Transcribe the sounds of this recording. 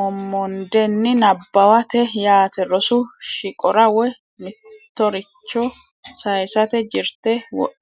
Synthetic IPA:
ɔmːɔnd̪ɛnːɪnɐbːɐwɐt̪ɛjaːt̪ɛɾɔsʊʃɪkʼɔɾɐwɛ | mɪt̪ːɔɾɪt͡ʃːɔ | sɐjsɐt̪ɛd͡ʒɪɾt̪ɛwɔ̰ʔ

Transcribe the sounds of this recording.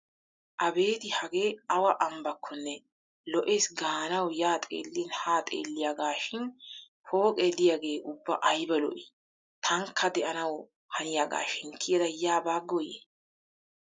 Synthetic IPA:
ʔɐbe̞ːt̪ɪhɐɡe̞ːɐwɐʔɐmbɐkʰːɔnːɛ | lɔʔeːsɡaːnɐwjaːt̪ʼḛːlːɪnhaːt̪ʼḛːlːɪjaɡaːʃɪn | fo̞ːkʼed̪ɪjaːɡe̞ːʔʊbːɐʔɐjbɐlɔ̰ʔɪ | t̪ʰɐŋkːɐd̪ɛʔɐnɐw | hɐnɪjaːɡa̰ːʃɪŋkʰɪjɛd̪ɐjaːbaːɡɔjḛ

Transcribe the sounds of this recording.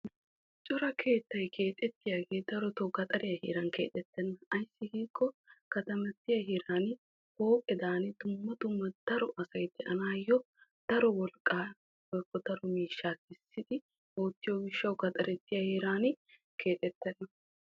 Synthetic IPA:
t͡ʃʼʊɾɐkʰe̞ːt̪ːɐjkʰe̞ːt̪ʼɛt̪ːɪjaːɡe̞ːd̪ɐɾɔt̪ɔɡɐt̪ʼɐɾɪjɐhiːɾɐnke̞̰ːt̪ʼɛt̪ːɛnːɐːjsːɪhiːkʰːɔkɐt̪ɐmɛt̪ːɪjɐɦiɾaːn | ho̞ːpʼɛd̪aːnɪd̪̥ʊmːɐd̪ʊmːɐd̪̥ɐɾɔʔɐsɐjd̪ɛʔɐnaːjːɔ | d̪̥ɐɾɔwɔlkʼːaː | ɔjkːɔd̪̥ɐɾɔmiːʃːaːkɪsːɪd̪ɪ | oːt̪ːɪjɔɡɪʃːɐwɡɐt̪ʼɐɾɛt̪ːɪjɐheɾaːn | kʰe̞ːt̪ʼːɛt̪ːɛnːɐ

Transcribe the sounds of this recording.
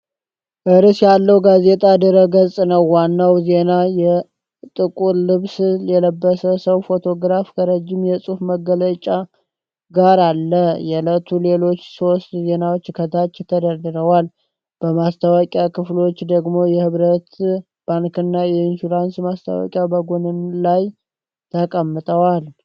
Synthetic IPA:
ʔɨɾɨsjalːəwɡaze̞t̪ʼad̪əɾəɡəzʼnəwːanːawze̞najɛ | t̪ʼɨkʼuɾlɨβsjɛləbːəsəsəwfo̞t̪ʰo̞ɡɾafkʰəɾəd͡ʒːɪmjɛsʼufməɡːələt͡ʃʼa | ɡaɾalːəjɛlət̪ʰule̞lo̞t͡ʃːso̞st̪ze̞nawot͡ʃːkʰət̪ʰat͡ʃːt̪ʰəd̪ədɨɾəwal | b̥əmast̪ʰəwəkʼjakʰɨflo̞t͡ʃːd̪əɡmo̞jɛhɨβɾət̪ | b̥aŋkɨnːajɛɪnsuɾansmast̪ʰə̰wə̰kʼjabəɡonɨnlaj | t̪ʰəkʼəmːɨt̪ʼəwal

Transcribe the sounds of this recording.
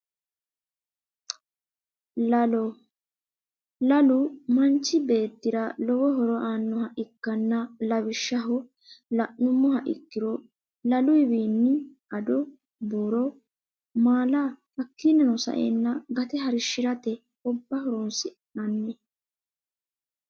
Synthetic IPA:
ɐlɔ | lɐlʊmɐnt͡ʃːɪbe̞ːt̪ːɪɾɐlɔwɔɦɔɾɔʔaːnːɔhɐʔɪkːɐnːɐlɐwɪʃːɐɦɔ | lɐʔnːʊmːɔɦɐʔɪ̰kːɪɾɔ | lɐlʊɪwiːnːɪ | ʔɐd̪ɔ | buːɾɔ | maːlahɐkːinɐnɔsɐ̰ʔḛːnːɐɡɐt̪ɛɦɐɾɪʃːɪɾɐt̪ɛ | ɔbːɐɦɔɾɔnsɪ | nɐnːɛ

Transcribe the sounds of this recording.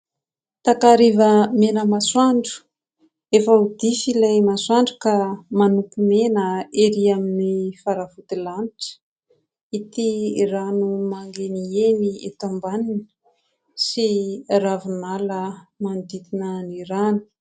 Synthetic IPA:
t̪akaɾivəmenəmaswaɳɖ͡ʐu̥ | efəud̪ifilajmaswaɳɖ͡ʐukamanupumenəeɾiaminifaɾafut̪ilaniʈ͡ʂə̥ | it̪iranumaŋɡenieniḛt̪ambanini | siravunaləmand̪it̪inəniɾanu̥

